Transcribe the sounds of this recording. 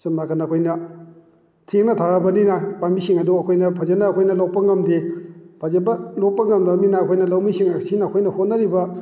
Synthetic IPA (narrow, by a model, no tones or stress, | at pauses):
sɐmakʰɐnɐkʰojnɐ | tʰeŋnɐtʰaɾɐbɐninɐpamisiŋɐduɐkʰojnɐpʰɐzenɐːkʰojnɐlok̚pɐŋɐmdipʰazebɐlok̚pɐŋɐmdaminɐːkʰojnɐlawmisiŋsinɐɐkʰojnɐhotnɐɾibɐ